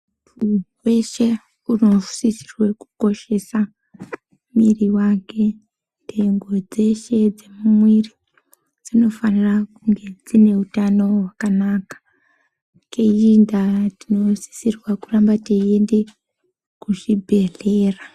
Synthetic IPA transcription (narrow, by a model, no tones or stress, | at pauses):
puwe̞ʃe̞ | unou̥sisi̥rwe̞ku̥ko̞ʃe̞sa | miriwake̞ | ndʱe̞ŋɡo̞d͡ze̞ʃe̞d͡ze̞mumwiri | d͡zino̞fanirakuŋɡe̞d͡zine̞utano̞wakanaːkḁ | kejindatino̞si̥sirwakurambateende̞ | kuʐibʱe̞ɮeːra